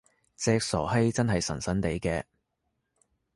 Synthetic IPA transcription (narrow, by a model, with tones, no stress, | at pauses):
t͡sɛː˧k̚sɔ̰ː˨˩ɦe˥jt͡sɐ˥nɦɐ˨jsɐ˨˩nsɐ˨˥nt̪e˨˥jkɛː˧